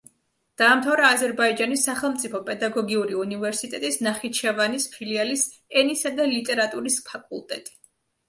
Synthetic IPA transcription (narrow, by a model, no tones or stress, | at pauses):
d̪̥aːmt̪ʰavɾaːzɛɾbaid͡ʒanisːaχɛlˠmt̪sʼipʰɔpʼɛd̪aɡɔɡiuɾiunivɛɾsit̪ʼɛt̪ʼisnaχit͡ʃʰɛvanispʰilialis | ɛnisad̪alit̪ʼɛɾat̪ʼuɾispʰakʼṵlˠt̪ʼɛ̰t̪ʼi̥